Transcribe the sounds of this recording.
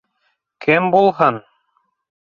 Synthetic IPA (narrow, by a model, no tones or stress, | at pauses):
kʰɘmbulˠɦɤn